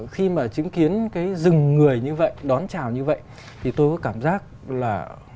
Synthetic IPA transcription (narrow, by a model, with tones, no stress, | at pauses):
xi˧maː˨˩t͡ɕï˨˦ŋki˨˦ənkaː˨˦jzɨ˨˩ŋːɨ˨˩əjɲɨ˧və̰˧˨jɗɔ˨˦nt͡ɕaː˨˩wɲɨ˧və̰˧˨jʔ | t̪ʰi˨˩t̪o˧jkɔː˨˦kaː˧˩mzaː˦˥k̚ | laː˨˩